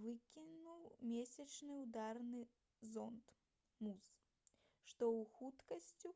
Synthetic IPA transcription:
vɨkʲinuwmʲesʲɐt͡ʂnɨwd̪arnɨ | zɔnt̪ | mus | ʂt̪ɔwxut̪kɐsʲt͡sʲu

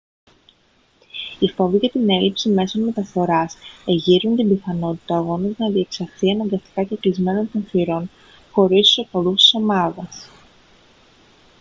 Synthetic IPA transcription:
ifo̞viʝɐt̪ine̞lipsime̞so̞nme̞t̪ɐfo̞ɾɐse̞ʝiɾunt̪imbiθɐno̞t̪i̥t̪ɐːɣo̞nɐznɐðie̞ksɐfθiɐnɐŋɡɐst̪i̥kɐceklizme̞no̞nt̪o̞nfiɾo̞n | xo̞ɾist̪u̥sopolust̪i̥so̞mɐðɐs

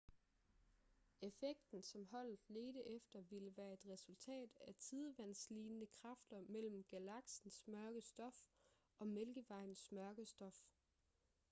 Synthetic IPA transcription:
e̝feɡ̥̚d̥n̩sɒ̽mɦɒ̽l̰ð̥̩ˠle̝ːd̥əʔefd̥ɐʋiləʋæːɐe̝d̥ʁɛsult͡sʰɛ̰ːd̥æt͡sʰið̞ˠʋæn̰sliːnnəkʰʁɑ̈fd̥ɐmel̰m̩ɡ̥ælɑ̈ɡ̥sn̩smɶɐɡ̥əsd̥ɒ̽f | ɒ̽melɡ̥əʋɑ̈ɪ̰n̩smɶɐɡ̥əsd̥ɒ̽f

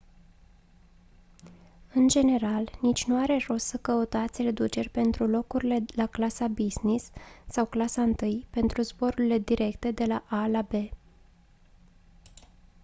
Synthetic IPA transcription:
ɨnd͡ʒe̞ne̞ɾalnit͡ʃʲnuaɾe̞ro̞ssəkəut̪at̪sʲre̞d̪ut͡ʃe̞rʲpe̞nt̪ɾulo̞kuɾile̞laklasabiznisːawklasaɨnt̪ɨjpe̞nt̪ɾuzbo̞ɾuɾile̞d̪iɾʔe̞kt̪e̞d̪e̞laʔalabe̞

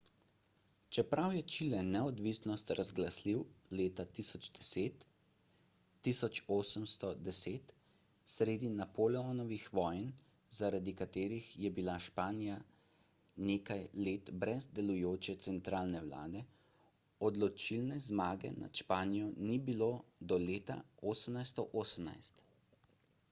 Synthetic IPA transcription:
t͡ʃɛpɾawjɛt͡ʃilɛnɛɔd̪ʋisnɔst̪ɾazɡlasliwleːt̪at̪isɔd͡ʒd̪ɛseːt̪ | isɔt͡ʃoːsəmst̪ɔd̪ɛseːt̪ | sɾeːd̪inapolɛɔnɔʋixʋɔːjn | zaɾad̪ikat̪eːɾixjɛbilaʃpaːnija | neːkajleːt̪bɾɛzd̪ɛlujoːt͡ʃɛt̪sɛnt̪ɾaːlnɛwla̰ːd̪ɛ | ɔd̪lɔt͡ʃilnɛzmaːɡɛ̰na̰t̪ʃpaːnijɔnibilod̪ɔleːt̪a̰oːsəmnajst̪ɔʔoːsəmna̰jst̪

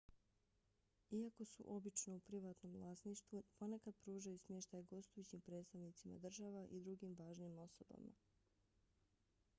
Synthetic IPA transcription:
iako̞sṵʔo̞bit͡ʃno̞upɾiʋaːt̪no̞mvlˠaːsniʃt̪ʋupo̞nekad̪̚pɾuːʒajusmʲjeʃt̪ajɡo̞st̪ujut͡ɕimpɾe̞ːt̪st̪aʋnit̪sima̰d̪r̩ʒaʋaʔid̪ɾuɡimʋaːʒnimo̞soba̰ma̰

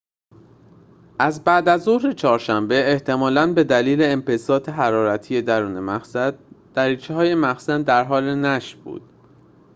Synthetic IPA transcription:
ʔæzbæːd̪æzo̞hɾet͡ʃʰɒːɾʃæmbe̞eht̪ʰe̞mɒːlænbe̞d̪æliːle̞ːmpesɒːt̪ʰeɦæɾɒːɾæt̪ʰiːje̞d̪æɾuːnemæxsæd̪d̪̥æɾiːt͡ʃʰeɦɒːje̞mæxsænd̪æɾɦɒːlenæʃb̥ṵːd̪̥̚

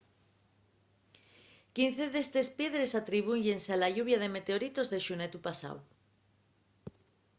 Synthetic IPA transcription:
kinθeðest̪e̞spje̞ðɾesat̪ɾiβ̞uɲʎensealaʝuβ̞jaðemet̪eoɾit̪ozðeʃunet̪upasa̰w

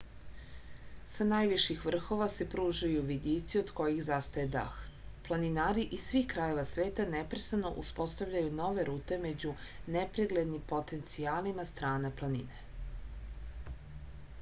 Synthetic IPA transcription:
sanajʋiʃixʋr̩xo̞ʋase̞pɾuːʒajuʋid̪iːt̪sio̞d̪ko̞jixzast̪ajed̪a̰x | plˠaninaːɾiʔisʋiːxkɾajo̞ʋasʋe̞ːt̪anepɾest̪ano̞̰ʔuspo̞st̪aʋʎajuno̞ʋe̞ɾuːt̪e̞me̞d͡ʑunepɾiɡle̞d̪nimpo̞t̪e̞nt̪siaːlimast̪ɾaːnaplˠanḭne̞

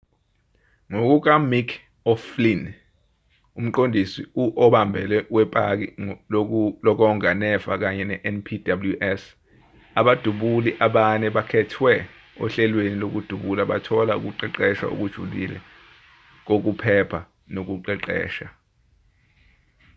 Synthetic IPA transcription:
ŋok̬uk̬amikʰ | ɔflin | um̩ǃondʱisiuʔɔɓambʱɛlɛwɛpʼak̬i | lɔk̬ɔŋanɛv̥ak̬aɲɛnɛʔɛnpʰidabuluʔɛs | aɓad̥ʱuɓuliʔaɓanɛɓakʰɛtʰwɛ | ɔ̰ɬɛlwenilok̬ud̥ʱuɓulaɓa̰tʰɔlaṵk̬uǃɛǃɛʃa̰ṵk̬ud̥ʒ̥ʱulḭlɛ̰ | k̬ok̬upʰɛpʰa | nok̬uǃɛǃɛ̰ːʃa

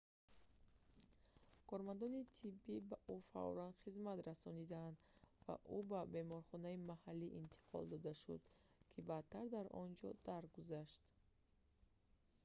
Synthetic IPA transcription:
kʰɔɾmand̪ɔnit̪ʰibːibaʔufa̰ɔ̰land̪χizmat̪ɾasɔnid̪aːnd̪va̰ʔubabe̞mɔɾχɔnaimahalːiʔint̪ʰi̥qʰɔ̰ld̪ɔd̪aʃṵd̪kʰibat̪ʰːaɾd̪aɾɔ̰nd͡ʒɔ̰d̪̥aɾɡuzaʃt̪

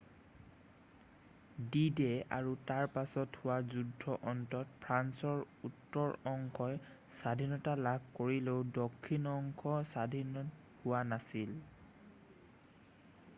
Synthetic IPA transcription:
didɛa̰ɹutaɹpasɔthʊwazudʱːɔʔɔntɔtpʰɹansɔɹ | utːɔɹɔŋkʰɔj | sadʱinɔtalab̚koɹileʊdɔkʰːinɔŋkʰɔsadʱinɔ | hʊwanasil

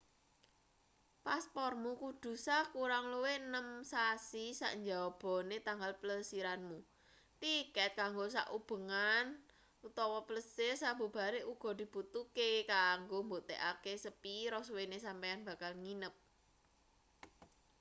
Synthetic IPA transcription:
paspɔrmukud̪̥ṳsakuɾaŋluwenəmsasisa̰ʔɲd͡ʒawab̥ɔ̤net̪aŋɡalpələsiɾanmu | t̪ikɛt̪̚kaŋɡosa̰ʔub̥ə̤ŋan | ut̪ɔwɔpləsɪrsabṳb̥a̤ɾeʔuɡ̥ɔ̤d̪̥i̤b̥ut̪ukekaŋɡomboʔt̪eʔakesəpiɾɔswenesampajanb̥a̤kalŋinəp̚

